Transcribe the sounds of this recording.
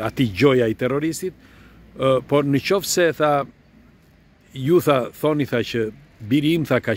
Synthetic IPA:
at̪iɟɔjait̪ɛrɔɾist̪it̪̚ | pɔɾnət͡ʃɔfsɛθa | juθaθɔniθat͡ɕə | biɾimθaka

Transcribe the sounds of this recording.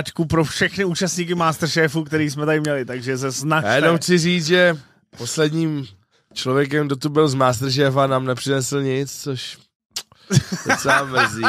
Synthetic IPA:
t͡ʃkupɾofʃɛxnɪuːt͡ʃast̪ɲiːk̬ɪmaːst̪r̩ʃɛːfukt̪ɛɾiːsmɛt̪adɪmɲɛlɪt̪aɡʒɛs̬ɛznat͡ʃjjɛdnowxt͡sɪriːt͡sʒɛ | po̞slɛdɲiːm | t͡ʃlovjɛk̬ɛmɡdot̪ubɪlzmaːst̪r̩ʃ̬ɛːfanaːmnɛpr̥ɪnɛsl̩ɲɪt͡st͡soʃ | dot͡sɛlamɛzi

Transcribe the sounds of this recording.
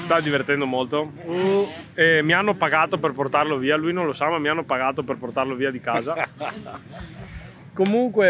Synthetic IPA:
st̪ad̪ivert̪ɛnd̪omolt̪o | ɛmianːopaɡaːt̪operport̪arloviːalujnõnlosamamːianːopaɡaːt̪operport̪arloviːad̪ikaːza | komuŋkwe

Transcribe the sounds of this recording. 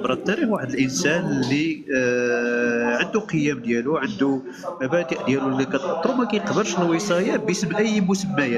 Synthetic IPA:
bɾˤɑt̪ːɑɾiwaħəd̪əlʔənsænlːi | ʕənd̪uqəjːæmd̪jæluʕənd̪u | bæt̪iʔd̪jælullækæt̪ɑt̪ːˤɾumækæjqbəɾʃlwisˤɑjæbjəsəmʔəjːmʊsəmːæjæ

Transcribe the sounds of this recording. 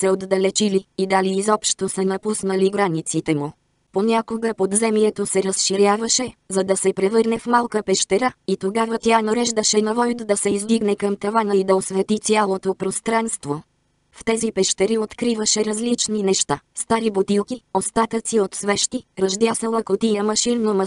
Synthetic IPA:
sɛod̪ːɐlɛt͡ʃiliid̪aliːzɔpʃt̪osɛnɐpusnəliɡɾanit̪sit̪ɛmu | ponʲakoɡəpod̪zɛmiɛt̪osɛɾəsʃiɾʲjavəʃɛzɐd̪ɐsɛpɾɛvɤɾnɛfmalˠkəpɛʃt̪ɛɾait̪oɡavət̪ʲjanɐɾɛʒd̪əʃɛnɐvɔjd̪d̪ɐsɛizd̪iɡnɛkəmt̪ɐvanəid̪ɐosvɛt̪it̪sʲalˠot̪opɾost̪ɾanst̪vo | ft̪ɛzipɛʃt̪ɛɾiot̪kɾivəʃɛɾɐzlit͡ʃninɛʃt̪ast̪aɾibot̪ilˠkʲiost̪at̪ət̪siot̪svɛʃt̪iɾɐʒd̪jasəlˠəkot̪ijəmɐʃinnomɐ

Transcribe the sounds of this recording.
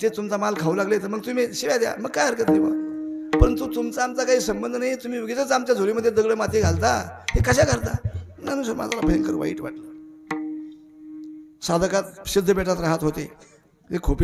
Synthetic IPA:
t̪et̪umt͡samalkʰaulaɡlet̪əɾməɡ̚t̪um̤iɕiʋjad̪ja̰məɡ̚kajəɾkət̪neba̰pəɾənt̪ut̪umt͡saːmt͡sakaɦiːsəmbənd̪ʱnaɦit̪um̤iːʋəɡit͡sət͡samt͡ɕjad͡zʱoliməd̪ʱːjed̪əɡɭəmat̪eɡʱalt̪ahekəɕakəɾt̪a̰nanũsoma̰d͡zalapʰeŋkəɾʋa̰ḭːʈʋa̰ʈlə | sad̪ʱəkat̪ɕid̪ʱːəbeʈat̪ɾaɦat̪ɦot̪e | ekʰopi

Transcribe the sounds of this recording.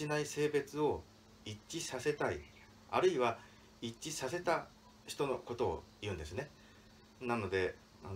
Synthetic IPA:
inaise̞ːbe̞t͡sɨo̞ | it͡ɕːisase̞t̪ai | a̰ɾɯ̟iβa | iːisase̞t̪a | çi̥t̪o̞no̞ko̞t̪o̞̰ː | jɯ̟̃ːnd̪e̞sɨne̞ | nano̞d̪e̞ | a

